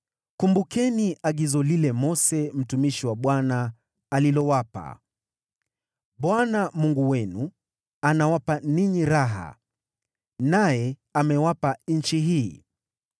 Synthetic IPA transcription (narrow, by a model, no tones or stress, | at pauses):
kumbukɛniʔaɠizɔlilɛmɔsɛm̩tumiʃiwaɓwanaː | lilɔwapa̰ | ɓwanamuŋɡuwɛnu | anawapaniɲiɾaɦa̰ | najɛamɛwapan̩t͡ʃiɦiː